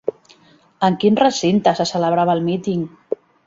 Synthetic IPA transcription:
əŋkinrəsint̪əsəsələβ̞ɾaβəlˠmit̪iŋ

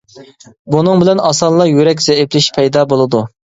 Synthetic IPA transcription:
bunɨŋbɪlɛnɑsɑnlˠɑjyɾɛk̬ʲzɛiplɪʃpʰɛjd̪ɑbolˠɨd̪u

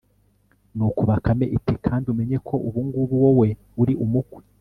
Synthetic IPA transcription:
nukuβakame̞ʔitekʰaːndiume̞ɲe̞kʰo̞ʔuβuːŋɡuβuwowe̞ | uɾiʔumukwi̥

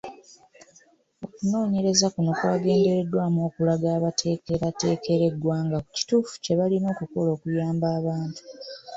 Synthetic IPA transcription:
o̞kuno̞ːɲe̞ɾe̞zakunokwaːɡe̞ːnde̞ɾe̞dːwaːmo̞ːkulaɡaːβatʰe̞ːke̞ɾate̞ːkʰe̞ɾe̞ɡwaːŋɡaku̥ci̥tuːfu̥ce̞βalino̞ːkuko̞lo̞ːkujaːmbaːβaːntu̥

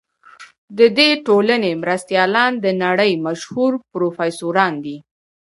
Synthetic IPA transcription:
d̪əd̪eʈolanemɾast̪jɑlɑnd̪ənaɽəjmaʃhuɾpɾofɑjsoɾɑnd̪i

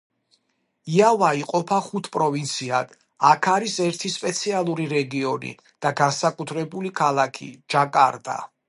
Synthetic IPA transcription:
iavaiqʼɔpʰaχut̪ʰpʼɾɔvint̪sʰiad̪̥ | akʰaɾisɛɾt̪ʰispʼɛt̪sʰialˠuɾiɾɛɡiɔnḭ | d̪̥aɡansakʼut̪ʰɾɛbulikʰalˠakʰḭd͡ʒakʼaɾd̪a̰

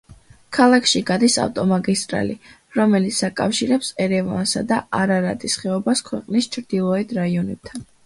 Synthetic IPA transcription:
kʰalˠakʰʃiɡad̪isa̰ft̪ʼɔmaɡist̪ʼɾa̰li | ɾɔmɛlit̪sʰakʼa̰fʃiɾɛpsɛɾɛva̰nsad̪aaɾaɾa̰d̪isχɛɔbaskʰwɛqʼnist͡ʃʰɾd̪̥ilˠɔɛd̪ʰɾaiɔnɛb̥̚t̪ʰan

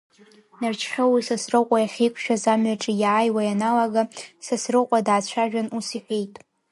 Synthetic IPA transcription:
nart͡ʃʰχʲawisasrɨqʷʼajaχʲejkʷʰʃᶣazamɥaʈ͡ʂʼijaːjwajanalaɡasasrɨqʷʼadʕat͡ɕʷʰaʒᶣanusiħʷᶣejtʼ

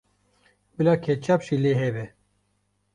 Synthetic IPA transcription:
bɨlɑːkʰɛt͡ʃʰaːpʃileːɦɛbɛ

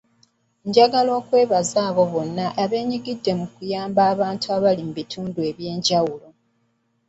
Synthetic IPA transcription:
ɲɟaɡalo̞ːkwe̞ːβazaːβo̞βo̞nːaʔaβe̞ːɲiɡidːe̞mukujaːmbaːβaːntʰuaβalimubitʰuːndue̞βje̞ːɲɟawulo̞

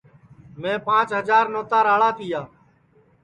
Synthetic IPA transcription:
mẽːpãːt͡ʃɦəd͡ʒaːɾnoːt̪aːɾaːɭaːt̪ʰɪjaː

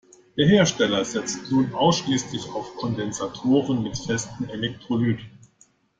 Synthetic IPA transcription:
d̥eːɐheːɐʃtɛlɐzɛt͡stnuːnʔaʊsʃliːslɪçaʊfkʰɔndɛnzatʰoːʁənmɪtfɛstn̩elɛk̚tʁ̥olyːdn̩

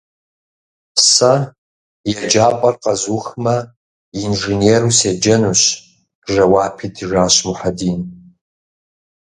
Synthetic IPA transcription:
pʰsa | jad͡ʒaːpʼɐrqʼazuxmɐ | inʐeneɾused͡ʒɐnuɕ | ʒɐwaːpʰidʰʐaːʃmuħadiːn

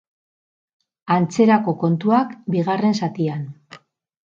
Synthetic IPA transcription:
ant͡se̞ɾako̞ko̞nt̪uakbiɣare̞nsat̪ian

